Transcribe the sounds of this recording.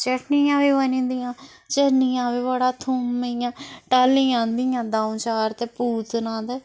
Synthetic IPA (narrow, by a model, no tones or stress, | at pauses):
t͡ʃəʈniːjãːʋiːʋənĩːnd̪iːjãː | t͡ʃənijãːʋiːʋəɽaːt̪ʰumijãːʈaːlĩjãːnd̪ijãːd̪aːũt͡ʃaːɾt̪eːpuːt̪nãːd̪ɛː